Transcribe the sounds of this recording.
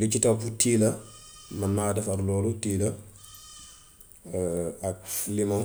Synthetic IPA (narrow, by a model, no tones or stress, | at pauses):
lit͡ʃitaputiːlɐmɐnmaːdɐfɐɾlɔːlutiːlɐ | ak̚flimɔ